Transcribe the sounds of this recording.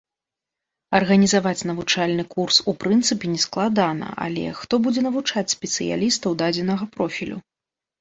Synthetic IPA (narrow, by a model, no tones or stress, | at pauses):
ɐrɣɐnʲizavat͡sʲnɐvut͡ʂalʲnɨkursupɾɨnt̪sɨpʲɛnʲɛsklˠad̪anɐ̰ʔa̰lʲɛ̰xt̪ɔbud͡zʲɛnɐvut͡ʂat͡sʲsʲpʲɛt̪sɨja̰lʲist̪ɐwd̪ad͡zʲɛnɐɣɐpɾɔfʲilʲṵ